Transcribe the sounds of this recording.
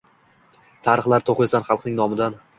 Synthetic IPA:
t̪ʰaɾɨχlˠaɾt̪ʰoχesanχɑlˠqnɪŋnɒmɪd̪an

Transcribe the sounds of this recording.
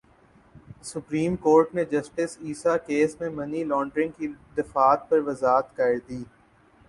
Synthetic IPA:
sʊpɾiːmkoːɾʈned͡ʒɐsʈɪsiːsakeːsmẽmɐnilɔ̃ːɳɖɾɪ̃ŋɡkid̪ɪfaːt̪̚pɐɾʋɐzaːt̪kaɾd̪iː

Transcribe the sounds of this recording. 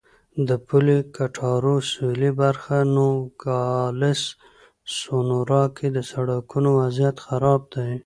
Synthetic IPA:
d̪əpulikaʈʰɑɾoselibaɾxanoɡɑlɪs | sonoɾɑkʰed̪əsaɽakunowazjat̪xaɾɑb̚d̪aj

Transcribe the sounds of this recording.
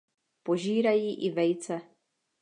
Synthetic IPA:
po̞ʒiːɾajiːʔɪvɛjt͡sɛ

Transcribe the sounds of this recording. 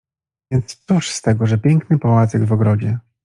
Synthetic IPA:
vʲjɛnt̪st̪suʂst̪ɛɡɔʐɛpʲjɛŋknɘpɔwat̪sɛɡvɔɡɾɔd͡ʑɛ

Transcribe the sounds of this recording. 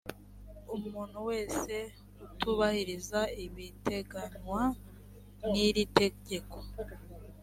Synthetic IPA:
umuːn̤̥huwe̞ːse̞ | utuβahiɾizaiβite̞ɡaɲwa | niɾite̞ɟe̞ko̥

